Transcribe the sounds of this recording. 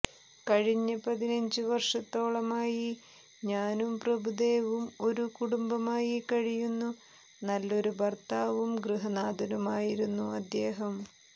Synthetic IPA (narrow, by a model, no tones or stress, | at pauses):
kɐɻiɲːɐpɐðinɐɲd͡ʑɨʋɐrʂɐt̪ːo̞ːɭɐmaːji | ɲaːnumprɐbud̪eːʋumo̞ɾukuɽumbɐmaːjikɐɻijunːu | nɐlːo̞ɾubɐrt̪aːʋumɡrɨɦɐnaːd̪ɐnumaːjiɾunːuɐd̪ːe̞ːɦɐm